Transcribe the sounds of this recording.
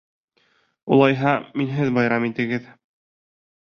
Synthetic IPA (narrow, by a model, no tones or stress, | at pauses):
ṵlˠɑjɦɑminɦɘðbɑjɾɑmit̪ɘ̆ɡɘð